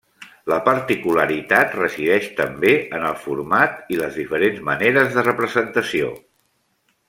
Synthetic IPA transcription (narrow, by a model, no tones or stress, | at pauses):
ləpəɾt̪ikuləɾit̪at̪rəziðɛʃt̪əmbeənəlˠfuɾmat̪iləzðifəɾenzməneɾəzðərəpɾəzənt̪əsio̰